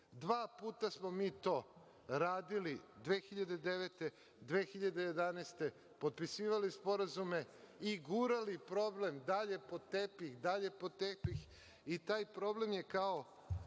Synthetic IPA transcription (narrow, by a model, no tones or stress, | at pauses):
d̪ʋaːpuːt̪asmo̞miːt̪o̞ː | ɾaːd̪ilid̪ʋeːxiʎad̪ed̪eʋet̪e | d̪ʋeːxiʎad̪ejed̪aneːst̪e̞ | po̞t̪̚pisiːʋalispo̞ɾazume̞ | iɡuɾalipɾo̞ble̞md̪aʎe̞po̞t̪epixd̪aʎe̞po̞t̪epix | it̪aːjpɾo̞ble̞mje̞kao̞